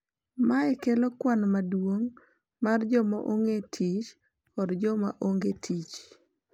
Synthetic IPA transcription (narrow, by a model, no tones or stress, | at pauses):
maɛkelokwanmadwoŋ | mard͡ʒɔmaʔoŋɡetʰit͡ʃ | ɔdd͡ʒɔma̰ʔoŋɡetʰit͡ʃ